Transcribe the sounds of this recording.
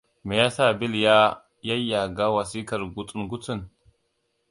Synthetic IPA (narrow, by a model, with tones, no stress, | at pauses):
mɛ˨ja˦saː˦bɪ˦lja˦ | jɐ˦jːa˨ɡa˦wɐ˨si˦kɐ˦ɾɡʊt͡sʼʊ˦nɡʊ˦t͡sːɪ˦n